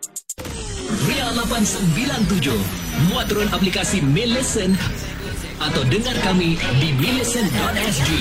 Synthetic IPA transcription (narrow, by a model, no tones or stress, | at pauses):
rialapansəmbilant̪̬ud͡ʒuhmuat̪ɾɔnaplikasimɛləsən | at̪awdəŋarkamidimiləsəndɔt̪̚ɛsdi